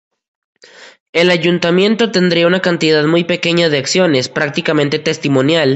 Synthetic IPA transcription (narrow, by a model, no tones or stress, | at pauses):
e̞laʝunt̪amjẽ̞nt̪o̞t̪e̞nd̪ɾiaunakant̪iðaðmujpe̞ke̞ɲaðeaksjo̞ne̞spɾak̚t̪ikament̪e̞t̪e̞st̪imo̞njal